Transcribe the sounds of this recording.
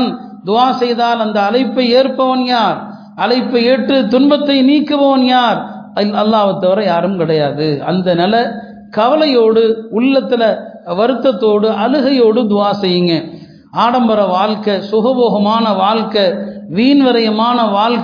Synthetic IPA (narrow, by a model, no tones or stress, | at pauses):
n | d̪ʊaːsɛjðaːlɐnd̪ɐːlɐɪpːɐɪeːɾpːɐʋɐnjaːɾ | ɐlɐɪpːɐeːʈrɯt̪ʊnbɐt̪ːɐɪniːkːɯpɐʋɐnjaːɾɐlːaːʋɯt̪ːɐʋɐɾɐjaːɾɯmkɪɽɐjaːðɯɐ̰nd̪ɐnɪlɐ | kɐʋɐlɐjoːɽɯʊɭːɐt̪ːɪlɐ | ʋɐɾɯt̪ːɐt̪ːoːɽɯʔɐlɯɣɐjoːɽɯd̪ʊaːsɛjːɯŋɡɐ | aːɽɐmbɐɾɐʋaːɭkɐsʊɣɐboːɣɐmaːnɐʋaːɻkɐʋiːnʋɐɾɐjɐmaːnɐʋaːɭk